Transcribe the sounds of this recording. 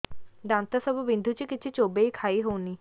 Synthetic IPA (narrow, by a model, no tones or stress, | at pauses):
ɖãːnt̪asəbubɪ̃nd̪ʱut͡ʃikɪt͡ʃʰet͡ʃoːbeikʰaːiɦoːniː